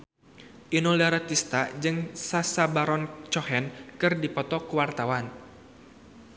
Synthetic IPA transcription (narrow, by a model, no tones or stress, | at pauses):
ʔinɔlaɾat̪ist̪ad͡ʒɨŋsasabaɾɔnt͡ʃɔhɛnkɨrdipɔt̪ɔkuwart̪awan